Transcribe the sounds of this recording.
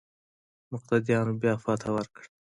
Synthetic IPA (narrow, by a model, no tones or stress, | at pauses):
mʊq̚t̪ad̪ijɑnobjɑfɑt̪ʰawaɾkɽ